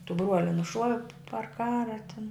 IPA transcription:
tʊ ˈbruɔlʲɪ nʊˈʃuɔʋʲɪ pɐr ˈkɑːrɐ tʲɪn

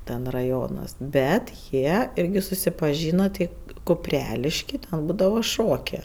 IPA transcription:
tʲɛn rɐˈjoːnɐs ˈbʲɛt ˈjiɛ ˈɪrʲɡʲɪ sʊsʲɪpɐˈʒʲiːnoː tʲɪ kʊˈpʲrʲæːlʲɪʃʲkʲiː tʲɛn ˈbuːdɐʋoː ˈʃoːkʲeː

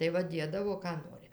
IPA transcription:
tɐɪ ˈʋɐ ˈdʲiɛdɐʋoː kɑː ˈnoːrʲɪ

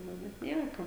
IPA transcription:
ˈnʊ bʲɛt ˈnʲiɛkoː

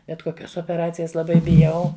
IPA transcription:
bʲɛt koːˈkʲoːs oːpʲɛˈrɑːt͡sʲɪjɛs lˠɐˈbɐɪ bʲɪˈjɛʊ

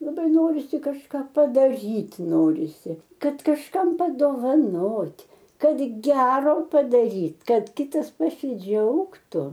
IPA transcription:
lˠɐˈbɐɪ ˈnoːrʲɪsʲɪ kɐʃˈkɑː pɐdɐˈrʲiːtʲ ˈnoːrʲɪsʲɪ ˈkɐt kɐʃˈkɐm pɐdoːʋɐˈnoːtʲ ˈkɐt ˈɡʲæːroː pɐdɐrʲiːtʲ ˈkɐt kʲɪˈtɐs pɐsʲɪˈd͡ʒʲɛʊktʊ

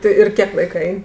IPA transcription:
ˈtʲɪ ɪr ˈkʲiɛk ˈlˠɐɪkɐ ˈɛɪnʲ

